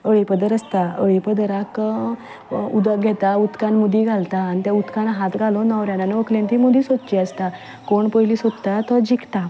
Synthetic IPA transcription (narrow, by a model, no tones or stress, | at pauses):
əɭipəd̪əɾəst̪aəɭipəd̪əɾak | ud̪əɡʱɛt̪aut̪kanmud̪iɡʱalt̪aːnit̪jaut̪kanɦat̪ɡʱalonəʋɾjananeʋəkʰlẽnt̪imud̪iːsod̪̚t͡ɕiəst̪a | koɳpəjlisod̪t̪at̪əd͡ʑikʰt̪a